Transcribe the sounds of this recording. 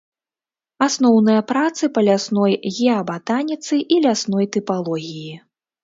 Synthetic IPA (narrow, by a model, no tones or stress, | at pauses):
asnɔwnɨjɐpɾat̪sɨpɐlʲasnɔjɣʲɛɐbat̪anʲit̪sɨʔilʲasnɔjt̪ɨpalˠɔɣʲiji